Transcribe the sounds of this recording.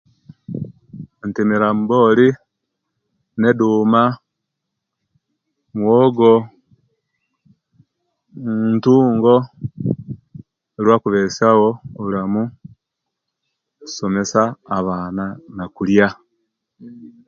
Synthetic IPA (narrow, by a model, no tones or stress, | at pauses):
ntimiɾamboli | neduːma | mwoːɡo | ntuːŋɡo | eɾwakuβesawooβulamu | some̞saːβaːnanakulja